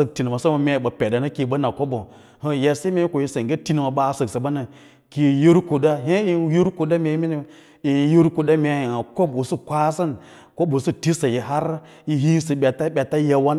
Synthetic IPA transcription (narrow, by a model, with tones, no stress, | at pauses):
sə˨k̚ti˨n˨ma˨sa˦ma˨mʲe˨ɓa˨pe˨da˨na˦ki˨ɓa˦na˨ko˦bo˨ | hə˨ja˨se˦me˦ko˨ji˦se˨ŋɡe˦ti˦n˨ma˨ɓa˦˨sə˨ksə˨ba˦na˨ | ki˨ji˦ɾko˨da˦ɦe˦i˦ji˦ɾko˨da˦me˨˦mi˦ni˦˨ | i˨˦ji˦ɾko˨da˦mʲe˨˦˨a˨ko˦bo˨su˦kʷa˦sə˦n | ko˦bo˨su˦ti˦sa˨ji˨ɦa˦ɾ | ji˦ɦi˦sə˨ɓʲa˨ta˦ɓʲa˨ta˦ja˦wa˦n